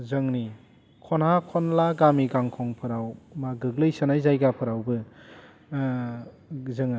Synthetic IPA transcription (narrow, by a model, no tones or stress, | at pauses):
zɯŋni | kʰɔnhakʰɔnlaɡamiɡaŋkʰɔŋpʰɯɾawmaɡɯɡlɯjsɯnajzajɡapʰɯɾawbɯ | zɯŋ